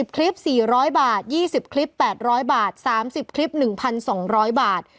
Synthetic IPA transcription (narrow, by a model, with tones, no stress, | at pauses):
i˨˩p̚kʰli˦˥p̚siː˨˩ɾɔː˦˥jbaː˨˩t̪̚jiː˥˩si˨˩p̚kʰli˦˥pːɛː˨˩t̪̚ɾɔː˦˥jbaː˨˩t̪̚saː˩˦msi˨˩p̚kʰli˦˥p̚nɯ˨˩ŋpʰa˧nsɔː˩˦ŋɾɔː˦˥jbaː˨˩t̪̚